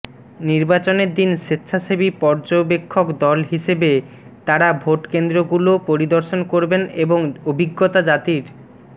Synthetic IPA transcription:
niɾbat͡ɕoneɾd̪inʃitːɕʰaʃebipɔɾd͡ʑobekʰːokd̪ɔlɦiʃebe | t̪aɾabʱoʈkend̪ɾoɡulopoɾid̪oɾʃonkoɾbeneboŋobʱiɡːot̪ad͡ʑat̪iɾ

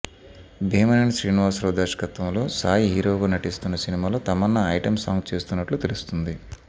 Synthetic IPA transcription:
bʱiːmɐnɐniʃɾiːniʋaːɾsɾoːd̪ɐːʂɐ̥kɐt̪ʋɐmlo̞ːsaːjiɦiːɾoːɡaːnɐʈist̪unːɐsinimaːloːt̪ɐmɐnːɐɐjʈɐmsaːŋɡt͡ʃe̞ːst̪unːɐʈlut̪elust̪und̪i

